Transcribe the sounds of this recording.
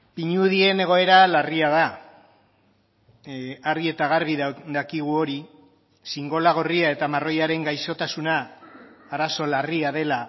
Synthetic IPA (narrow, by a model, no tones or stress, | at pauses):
piɲuð̞ie̞ne̞ɣ̞o̞e̞ɾalariaða | arie̞t̪aɣ̞aɾβiððakiɣ̞uo̞ɾi | siŋɡo̞laɣ̞o̞riae̞t̪amaro̞jaɾe̞ŋɡajso̞t̪asunaː | ɾaso̞lariað̞e̞la